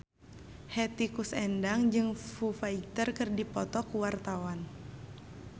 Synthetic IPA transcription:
hɛt̪ikusɛndaŋd͡ʒɨŋfufait̪ərkɨrdipɔt̪ɔkuwart̪awan

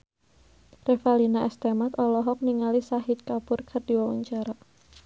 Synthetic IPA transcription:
refalinaʔɛst̪emat̪ɔlɔɦɔk̚niŋalisaɦit̪̚kapʊrkʰərdiwawa̰ɲt͡ʃaɾa

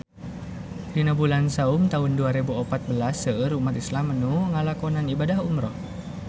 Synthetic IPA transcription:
ɾinabulansaumt̪aɦunduaɾebuɔpat̪̚bəlasəəɾumat̪islamənuŋalakɔnanibadaɦumɾɔh

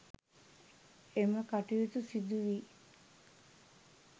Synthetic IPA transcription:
eməkaʈijit̪usid̪uʋiː

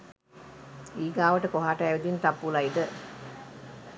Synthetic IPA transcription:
iːɡaːʋɐʈəkoɦaːʈɐːʋed̪int̪apːulɐid̪ə

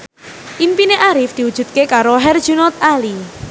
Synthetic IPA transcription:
ʔimpineʔaɾɪfd̪̥i̤wud̥ʒ̥ṳt̪̚kekaɾoɦɛrd̥ʒ̥unɔt̪ali

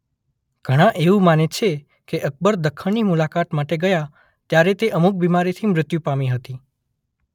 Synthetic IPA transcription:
ɡ̥ʱəɽ̃ãʔeũmanet͡ʃʰe | keʔək̚bəɾd̪əkʰːəɳnimulakat̪maʈeɡəja | t̪jaɾet̪eʔəmuk̚bimaɾit̪ʰimɾɪt̪jũpamiɦət̪i

